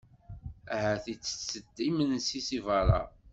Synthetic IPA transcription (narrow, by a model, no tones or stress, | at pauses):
æɦæθit͡sːə̥t͡sːəd̪ːimənsisivɑɾˤɑ̰